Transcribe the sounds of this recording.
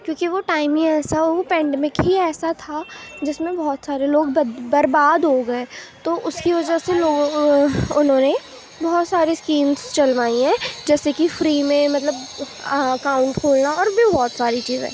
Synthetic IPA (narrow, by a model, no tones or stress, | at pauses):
kjõːkiʋoʈaːɪmĩŋɛːsaoʋopɛ̃ːɳɖɛːmɪkɦiɛːsat̪ʰad͡ʒɪsmẽbɔɦɔt̪saːɾeloːɡbbɐɾbaːd̪ɦoɡɐet̪oʔʊskiʋɐd͡ʒəseloːɡ | ʊnɦõːne | bɔɦɔt̪saːɾiskiːmzt͡ʃɐlʋaːiɦɛ̃ːd͡ʒɛːsekifɾiːmẽmɐt̪ləb | ɐkaːʊ̃ɳʈkʰoːlnaɔːɾbʱibɔːt̪saːɾit͡ʃiːzḛ̃ː